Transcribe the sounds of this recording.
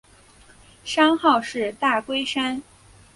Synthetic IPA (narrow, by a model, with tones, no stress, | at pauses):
ʂɑ˥ŋxɑ˥˧ʊʂɻ̩˥˧t̪a˥˩kwe˥ɪʂa˥n